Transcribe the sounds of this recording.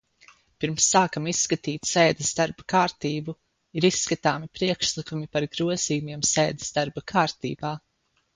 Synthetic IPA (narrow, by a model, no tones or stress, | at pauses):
piɾmsːaːkamisːkat̪iːt̪seːd̪ɛsd̪aɾbakaːɾt̪iːbu | iɾisːkat̪aːmipɾiɛkʃlˠikumipaɾɡɾuɔziːjumiɛmsɛːd̪e̥sd̪aɾbakʰaːɾt̪ḭːbaː